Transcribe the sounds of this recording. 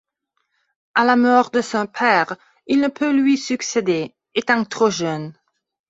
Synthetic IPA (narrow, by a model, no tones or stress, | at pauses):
alamɔːʁd̪əsɔ̃pʰɛːʁ | ilnəpʰølɥisyksed̪e | et̪ɑ̃k̚t̪χoʒœn